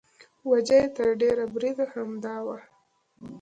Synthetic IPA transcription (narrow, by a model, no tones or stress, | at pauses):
wad͡ʒajet̪əɾɖeɾabɾid̪ahamd̪ɑwa